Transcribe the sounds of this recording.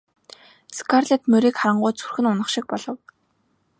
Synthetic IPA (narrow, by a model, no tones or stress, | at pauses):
skʰarɮet̪mɵɾiːkχaɾə̆ɴɢʊːt͡sʰu̥rxɘ̆nʊnə̆χʃɪ̆k̚pɔɮɞ̆w